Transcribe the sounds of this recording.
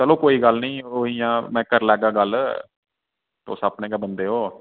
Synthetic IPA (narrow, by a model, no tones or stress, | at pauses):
t͡ʃəloːkoːiːɡəlnĩːoːiːjãːmɛ̃ːkəɾlɛːɡaːɡəl | t̪o̰ːsapnẽːɡəbənd̪eːɦoː